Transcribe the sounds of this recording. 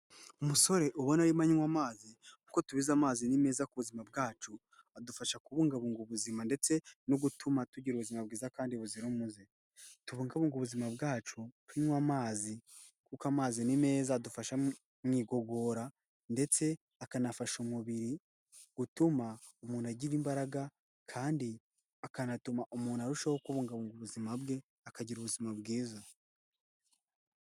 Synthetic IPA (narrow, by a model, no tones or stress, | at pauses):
umuso̞ɾe̞ʔuβonaɾimaɲiŋwamaːzikukotuβizamaːzinime̞ːzakuβuzimab̚ɡaːt͡ʃu | adufaʃakuβuːŋɡaβuːŋɡuβuzimande̞t͡se̞noɡutumatuɟiɾuβuzimab̚ɡiːzakaːndiβuziɾumuze | tuβuːŋɡaβuːŋɡuβuzimabɡaːt͡ʃutwuɲŋwamaːzi | kukamaːzinime̞ːzadufaʃa | mŋiːɡo̞ɡo̞ːɾa | nde̞t͡se̞ | akanafaʃumuβiɾi | ɡ̥utumaumuːn̥aɟiɾimbaɾaɡa | kʰaːndi | akanatumaʔumuːnhaɾuʃahokuβuːŋɡaβuːŋɡuβuzimabɡe̞ | akaɟiɾuβuzimabɡiːza